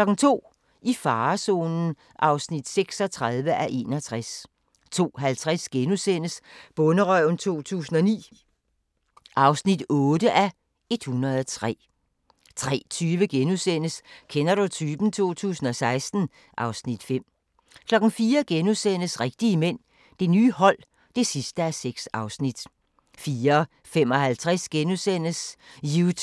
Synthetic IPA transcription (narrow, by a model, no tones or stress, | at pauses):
lɒ̽ɡ̥n̩t͡sʰo̝̰ː | ifɑ̈ːso̝̰ːnn̩ | ʔɑ̈ʊsnid̥seɡ̥sɒ̽t͡sʰʁaðˠʋəʔæʔe̝ːnɒt͡sʰʁas | t͡sʰo̝̰ːɦælt͡sʰʁasɡ̥enusen̰əsb̥ɔ̽nəʁœʊn̩t͡sʰo̝̰ːt͡sʰṵːsn̩ɒ̽nḭː | ʔɑ̈ʊsnid̥ɔ̽ːdəʔæ | e̝d̥hunʁɐð̞ˠt͡sʰʁɛ̰ː | t͡sʰʁɛ̰ːt͡sʰyːʋəɡ̥enusen̰əskʰenɐɾut͡sʰyːbn̩t͡sʰo̝̰ːt͡sʰṵːsn̩ɒ̽sɑ̈ɪsd̥n̩ | ʔɑ̈ʊsnid̥fem̰ | kʰlɒ̽ɡ̥n̩fiːɐɡ̥enusen̰əsʁɛɡ̥̚d̥iəmen̰ | d̥e̝nyːhɒ̽l̰ | d̥e̝sisd̥əæseɡ̥sɑ̈ʊsnid̥ | fiːɐ | fem̰ɒ̽hælt͡sʰʁɛsɡ̥enusen̰əsju